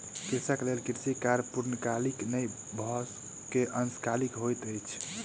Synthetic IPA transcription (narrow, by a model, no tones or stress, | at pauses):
kiɾsakelelkiɾsikaɾpuɾnəkaliknəj | bʱɔs | keʔənskalikɦojt̪əjt͡ʃʰ